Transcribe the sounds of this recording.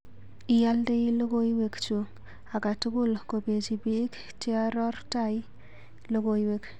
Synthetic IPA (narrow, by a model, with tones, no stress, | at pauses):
ɪ˨ja˦lde˦jlo˦ɡo˦jwe˨kt͡ʃu˨ | a˨ka˨tʊ˦kʊ˦˨lko˨pe˨t͡ʃi˨bi˦k | ti˦a˦ɾɔ˦rta˦˨j | lo˦ɡo˨jwe˨k